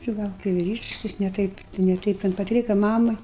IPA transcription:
t͡ʃʲɪ ˈɡɐlˠ kɐɪ ʋʲɪˈrʲiːʃks ˈjɪs nʲɛ ˈtɐɪp nʲɛ ˈtɐɪp tʲɛn pɐˈtʲrʲiːkɐ ˈmɑːmɐ

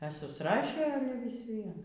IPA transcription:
ɛ sʊsˈrɑːʃʲeː ˈɑːlʲɛ ʋʲɪs ˈʋʲiɛn

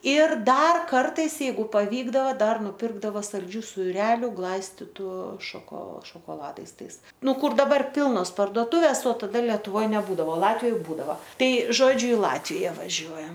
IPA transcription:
ˈɪr ˈdɐr ˈkɐrtɐɪs jɛɪˈɡʊ pɐˈʋʲiːɡdɐʋɐ ˈdɐr nʊˈpʲɪrɡdɐʋɐ sɐlʲˈd͡ʒʲuː sʊˈrʲæːlʲʊ ˈɡlˠɐɪsʲtʲɪtʊ ʃɐˈkoː ʃoːkoːˈlˠɑːdɐɪs ˈtɐɪs ˈnʊ ˈkʊr dɐˈbɐr ˈpʲɪlˠnoːs pɐrdoːˈtʊʋʲeːs oː tɐˈdɐ lʲɛtʊˈʋoːj nʲɛˈbuːdɐʋoː ˈlˠɑːtʲʋʲɪjoːj ˈbuːdɐʋɐ ˈtɐɪ ˈʒoːd͡ʒʲʊ ɪ ˈlˠɑːtʲʋʲɪjɛ ʋɐˈʒʲuɔjɛm

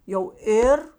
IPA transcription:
jɛʊ ˈeːr

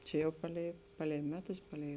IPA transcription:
ˈt͡ʃʲɛ jɛʊ ˈpɑːˌlʲɛɪ ˈpɑːˌlʲɛɪ ˈmʲæːˌtʊs ˈpɑːˌlʲɛɪ

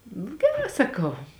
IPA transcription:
ɡʲɛˈrɑː sɐˈkɐʊ

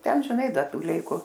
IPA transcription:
ˈtʲɛn ʒʲɪˈnɐɪ ˈdɐ ˈtuː ˈlʲɛɪkʊ

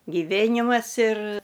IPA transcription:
ɡʲɪˈʋʲeːnʲɪmɐs ɪr

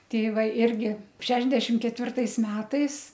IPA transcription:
ˈtʲɛɪ ˈʋɐ ˈɪrʲɡʲɪ ˈʃʲæːʒʲdʲɛʃʲɪm kʲɛtʲˈʋʲɪrtɐɪs ˈmʲæːtɐɪs

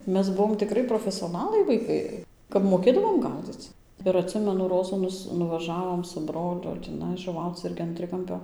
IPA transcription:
ˈmʲɛs ˈbʊʋoːm tʲɪˈkrʲɪ proːfʲɛsʲoːˈnɑːlˠɐɪ ʋɐɪˈkɐɪ kɐp moːˈkʲeːdɐʋoːm ˈɡɐʊd͡zʲɪt͡s ɪr ɐtʲˈsʲɪmʲɛnʊ ˈroːzuː ˈnʊs nʊʋɐˈʒɑːʋoːm sʊ ˈbroːlʲʊ tʲiːˈnɐɪ ʒʊˈʋɐʊt͡s ˈɪrʲɡʲɪ ɐn ˈtʲrʲɪkɐmʲpʲoː

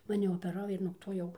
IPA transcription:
mɐˈnʲɪ oːpʲɛˈrɐʊ ɪr nuɔk ˈtoː ˈjɛʊ

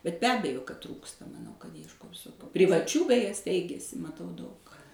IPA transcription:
bʲɛt bʲɛ ˈɑːbʲɛjoː kɐt ˈtruːkstɐ mɐˈnɐʊ kɐt iɛʃˈkoːs pʲrʲɪʋɐˈt͡ʃʲuː bʲɛˈjɛ ˈsʲtʲɛɪɡʲɛsʲɪ mɐˈtɐʊ dɐʊk

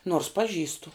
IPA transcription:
noːrs pɐˈʒʲiːstʊ

